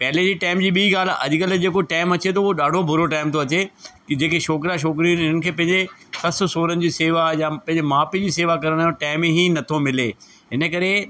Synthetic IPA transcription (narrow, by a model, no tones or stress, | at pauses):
pɛɦled͡ʑiːʈaːɪmd͡ʑiːɓiːɡaːl̤ɐ̰ʄkəld͡ʑeːkoʈaːɪmɐt͡ɕet̪ʰooɗaːɖʱobʱʊɾoʈaːɪmt̪ʰoɐt͡ɕe | d͡ʑeːkeʃoːkɾaʃ̬oːk̬ɾiũnɪnənɪ̆kʰeːpɐ̃ɦɪ̃ɲd͡ʑesɐsʊ̆soːɾənɪ̆d͡ʑiːseːʋajapɐ̃ɦɪ̃ɲd͡ʑemaːpid͡ʑiːseːʋakɐɾəɽ̃aːjõʈaːɪmẽɦinɐt̪ʰomɪleː | ɦɪnəkɐɾe